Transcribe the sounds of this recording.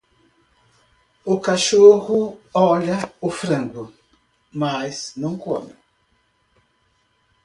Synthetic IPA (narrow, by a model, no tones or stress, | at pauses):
ʊkaʃohʊɔʎɐʊfɾɐ̃ŋɡʊ | masnɐ̃w̃ko̰mɪ